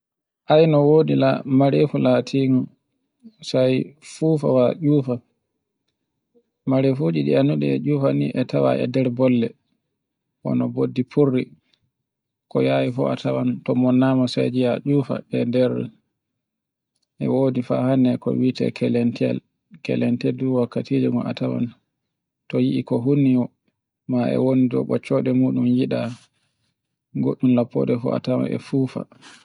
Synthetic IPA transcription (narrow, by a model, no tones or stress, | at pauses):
ʔajnɔwoːdilamaɾefulatʰiːŋɔn | sajfuːfa̰waʄuːfa | maɾefud͡ʒiɗianuɗɛ̰ɛʄuːfaniʔɛtʰawa̰ʔɛ̰dɛɾbɔlːɛ | ʔɔ̰nɔbodːipʰurːi | kɔjaːwifɔ̰atʰawantɔmɔnːaːmasɛ̰d͡ʒijaʔuːfa̰ɛdɛɾɛ | ʔɛ̰woːdifa̰hanːɛkɔ̰wiːtɛ̰kʰɛlɛntɛ̰l | kɛ̰lɛnteduwakːatiːd͡ʒuɡɔna̰tawa̰n | tɔjiʔikɔɦunːiɔ | maɛ̰wonidɔ̰ɓɔt͡ʃːɔɗɛmuːɗumjiɗa | ɡoɗːumlapːɔ̰ːdɛfɔ̰a̰tawa̰nɛ̰fuːfa̰